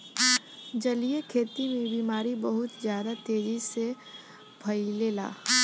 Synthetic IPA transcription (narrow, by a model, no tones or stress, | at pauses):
d͡ʒɐlijekʰeːt̪imẽbiːmaːɾibəɦʊt̪zjaːd̪at̪eːd͡ʒise | bʱɐileːla̰ː